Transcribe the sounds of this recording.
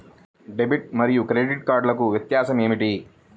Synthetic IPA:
ɖebiʈ̚mɐɾijukɾeɖiʈkaːɾɖlɐkuʋjɐt̪jaːsɐme̞ːmiʈi

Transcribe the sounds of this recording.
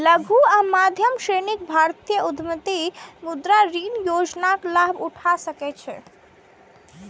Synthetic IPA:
ləɡʱuamad̪ʱjəmsɾenik̚bʱaɾt̪ijəud̪ʱmət̪imud̪ɾaɾinjod͡ʒnaklabuʈʰasəkɛt͡ʃʰɛ̰

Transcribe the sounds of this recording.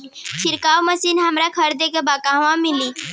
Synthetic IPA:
t͡ʃʰɪɾkaːwməsiːnɦɐmɾakʰəɾd̪ekebaːkãʋãmɪliː

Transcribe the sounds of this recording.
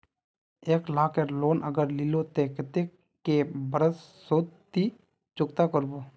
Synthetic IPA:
eːklaːkeɾloːnʔəɡəɾlɪlot̪ekət̪e | kebəɾəsːoːt̪i | t͡ʃʊkt̪akəɾboː

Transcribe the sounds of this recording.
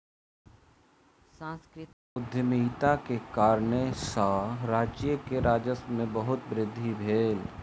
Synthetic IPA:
sãːskɾɪ | ʊd̪ʱjəmiɦt̪akekaːɾnesaɾaːd͡ʒijəkeɾaːd͡ʒəsmẽbəɦʊt̪bɾɪd̪ʱːibʱeːl

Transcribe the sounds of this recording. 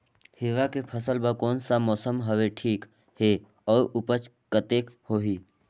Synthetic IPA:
hɪʋakepʰəsəlbəkɔːnsamɔːsəmɦəʋeʈʰiːk | he | ɔːɾʊpət͡ʃ | kət̪eːkhoːɦi

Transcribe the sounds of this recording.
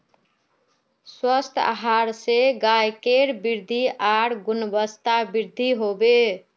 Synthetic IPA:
swəst̪ʰa̰ɦaɾseɡajkeɾbiɾd̪ʱiʔaɽɡunəbəst̪abiɾd̪ʱiɦobe

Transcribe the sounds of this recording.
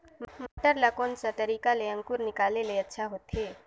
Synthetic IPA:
mmaʈəɾlakoːnsat̪ɐɾiːkaleɐ̃ŋkʊɾnɪkaːleleɐtːʃʰaɦoːt̪ɦeː

